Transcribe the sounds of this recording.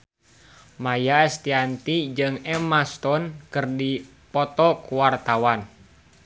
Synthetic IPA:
majaɛst̪iant̪id͡ʒɨŋɛmast̪ɔnkɨrdi | pɔt̪ɔkuwart̪awan

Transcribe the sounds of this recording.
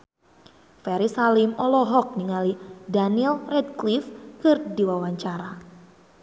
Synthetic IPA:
fɛɾisalimɔlɔɦɔk̚niŋalidanilrɛd̪̚klifkɨrdiwawaɲt͡ʃaɾa

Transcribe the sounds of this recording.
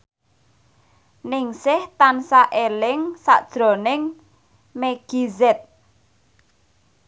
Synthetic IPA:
nɪŋsɪht̪ansaʔelɪŋsa̰ʔd̥ʒ̥ɾɔ̤nɪŋ | meɡ̥izɛt̪̚

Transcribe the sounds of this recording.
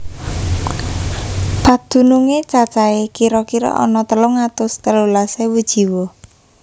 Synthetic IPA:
pad̪̥ṳnuŋet͡ʃat͡ʃaekiɾɔkiɾɔ̰ʔɔ̰nɔt̪əlʊŋat̪ʊst̪əlulasewud̥ʒ̥i̤wɔ

